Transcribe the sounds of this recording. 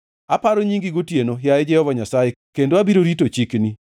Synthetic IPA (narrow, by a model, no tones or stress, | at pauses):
apaɾoɲiŋɡɪɡotjenojaed͡ʒɛhɔvaɲasajekendoabiɾoɾitot͡ʃikni